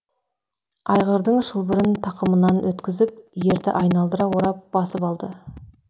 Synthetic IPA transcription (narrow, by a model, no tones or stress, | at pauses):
ɑjʁəɾd̪əɴʒəlˠbɪɾɪnt̪ʰɑqəmənɑnwɵt̪kʲɪzɪp̚je̞ɾd̪ɪ̰ʔɑjnɑlˠd̪əɾɑwoɾɑp̚b̥ɑsəpɑlˠd̪ə